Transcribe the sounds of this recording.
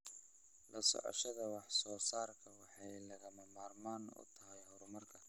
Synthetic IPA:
lɐsɔ̰ʕɔ̰ʃɐðɐwɑħsɔːsaːrkʰɐwɑħɑjlɐɣɐmɐmaːrmaːnʊ̰t̪ʰɐɦɛjhɔɾʊmɐrkʰɐ

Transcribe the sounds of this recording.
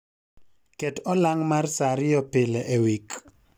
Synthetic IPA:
kɛtɔlaŋmarsaɾɪjɔpɪlɛʔewik

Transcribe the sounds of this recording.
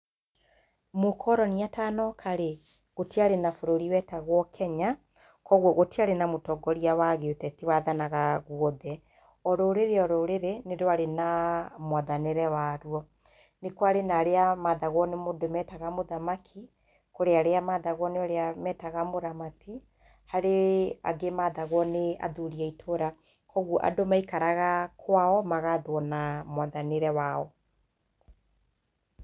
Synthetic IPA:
mokʰɔɾɔniataːnɔkʰaɾe | ɣotiaɾenafoɾoɾiwɛtaɣwɔkʰɛɲa | kɔɣwɔɣotiaɾenamotɔɡɔɾiawaɣeotɛtiwaðanaɣaɣwɔðɛ | ɔɾoːɾeɾeɔɾoɾeɾenedoaɾenamwaðaneɾɛwaɾwɔ | nekwaɾenaɾeamaːðaɣwɔnemodomɛtaɣamoðamakʰi | koɾeaɾeamaːðaɣwɔneɔɾeamɛtaɣamoðamatʰi | haɾea̰ɡemaːðaɣwɔnea̰ðuɾiaitʰoɾa | kɔɣɔʔa̰domaikaɾaɣakwaɔmaɣaðwɔnamwaðaneɾɛwaɔ

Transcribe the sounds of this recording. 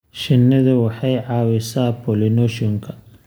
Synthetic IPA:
ʃɪnːɐðɐwɑħɑjʕɑːwɪsaːpɔlɪnɔʃɔŋkʰɐ

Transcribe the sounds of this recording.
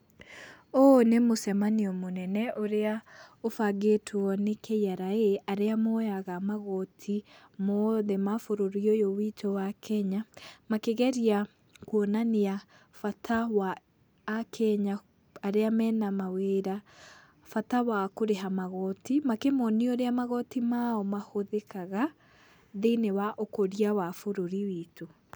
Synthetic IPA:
onemosɛmaniɔmonɛnɛʔoɾeaofaɡetʰwɔnekejaɾaeʔaɾeamojaɣamaɣɔtʰi | moðɛmafoɾoɾiojowitʰowakɛɲamakeɣɛɾia | kwonania | fatʰawaː | kʰɛɲa | aɾeamɛːnamaweːɾa | fatawakoɾeɦamaɣɔtimakemɔnioɾeamaɣɔtimaɔmahoðekaɣa | ðenewaʔokoɾiawafoɾoɾiwiːto

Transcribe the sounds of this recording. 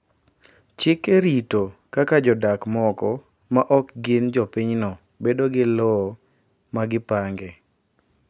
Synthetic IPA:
t͡ʃɪkeɾitokakad͡ʒɔdakmɔkɔ | maʔɔkɡɪnd͡ʒɔpiɲnɔ | bedoɡɪlɔ | maɡɪpaŋɡɛ

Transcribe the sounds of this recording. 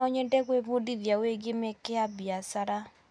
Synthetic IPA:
ɔɲɛndɛɣweβodiðjaweɡemekeabjasaɾa

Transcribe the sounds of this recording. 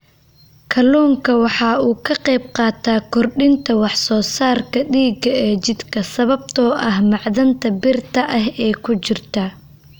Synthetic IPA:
kʰɐluːŋkʰɐwɑħɑːuːkʰɐqɛjb̚qɑːt̪ʰaːkʰɔrɖɪnt̪ʰɐwɑħsɔːsaːrkʰɐɖiːɡɐɛːt͡ʃɪd̪kʰɐsɐβɐb̚t̪ʰɔːʔɐɦmɑʕðɐnt̪ʰɐbɪrt̪ʰɐʔɐɦɛːkʰʊt͡ʃɪrt̪ʰɐ

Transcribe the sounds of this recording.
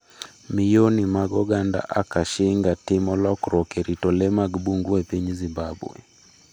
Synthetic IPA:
mijonimaɡɔɡanda̰ʔakaʃɪŋɡatɪmɔlɔkɾɔkɛɾitɔlɛmaɡbuŋɡuɛpiɲzibabw̰ɛ̰

